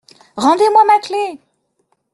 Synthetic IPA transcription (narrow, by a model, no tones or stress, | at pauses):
ʁɑ̃d̪emwamakle